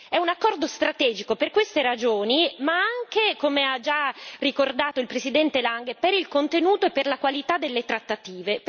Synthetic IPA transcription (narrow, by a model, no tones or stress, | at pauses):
ɛunakːɔrd̪ost̪ɾat̪ɛːd͡ʒikoperkwest̪eɾad͡ʒoːnimaaŋk̟ekomead͡ʒarikord̪aːt̪oilpɾesid̪ɛnt̪elaŋɡepeɾilkont̪enuːt̪oepːerlakwalit̪ad̪elːet̪ɾat̪ːat̪iːvep